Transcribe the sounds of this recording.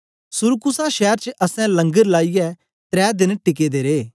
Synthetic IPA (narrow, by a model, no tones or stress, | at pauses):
sʊɾkʊsaʃɛːɾt͡ʃəʔɐsɛ̃lɐ̃ŋɡəɾlaːijɛ | t̪ɾɛːd̪ɪnʈɪk̬eːd̪eɾeː